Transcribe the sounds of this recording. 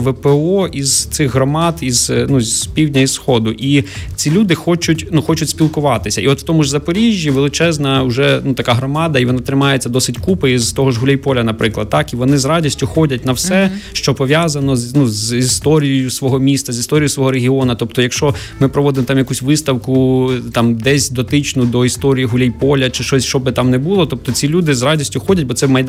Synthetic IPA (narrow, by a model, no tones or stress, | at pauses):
ʋɛpeɔizt̪sɪɣɦɾɔmɑd̪iz̥nuzʲpʲiwdʲnʲɐisxɔd̪ʊʔit͡sʲilʲud̪ɪxɔt͡ʃʊtʲnuxɔt͡ʃʊtʲsʲpʲilˠkʊʋɑt̪ɪsʲɐiɔt̪w̥t̪ɔmʊʒzɐpɔɾʲiʒʲːiʋɪlˠɪt͡ʃɛznɐʊʒɛnut̪ɐkaɦɾɔmɑd̪ɐiʋɔnɑt̪ɾɪmɑjet͡sʲːɐd̪ɔsɪtʲkupɪizt̪ɔɦɔʒɦʊlʲɛjpɔlʲɐnɐpɾɪklˠɐd̪̚t̪ːɑkiʋɔnɪzrɑdʲisʲtʲʊxɔdʲɐt̚ʲnɐwsɛʃt͡ʃɔpɔʋʲjazɐnɔznuzist̪ɔɾʲijɔjʊsʋɔɦɔmʲist̪ɐzʲist̪ɔɾʲijʊsʋɔɦɔɾeɦʲiɔnɐt̪ɔpt̪ɔjɐkʃt͡ʃɔ | mɪpɾɔʋɔd̪ɪmɔt̪ɑmjɐkusʲʋɪst̪ɐwkʊt̪ɑmd̪ɛsʲd̪ɔt̪ɪt͡ʃnʊd̪ɔist̪ɔɾʲijiɦʊlʲijpɔlʲɐt͡ʃɪʃt͡ʃɔsʲʃt͡ʃɔbɪt̪ɑmnɛbulˠɔt̪ɔp̚t̪ɔt͡sʲilʲud̪ɪzrɑdʲisʲtʲʊxɔdʲɐtʲbɔt̪sɛmɐjd̪